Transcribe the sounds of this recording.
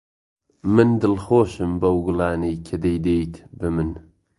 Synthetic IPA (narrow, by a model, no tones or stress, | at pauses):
mɨnd̪ɨlxoːʃɨmbɐwɡʊlaːnijkʰɐd̪ejd̪eːjt̪bɨmɨn